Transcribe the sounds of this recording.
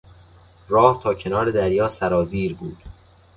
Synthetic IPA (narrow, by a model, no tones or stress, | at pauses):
rɒːht̪ʰɒːcʰe̞nɒːɾe̞d̪æɾjɒːsæɾɒːziːɾbuːd̪̥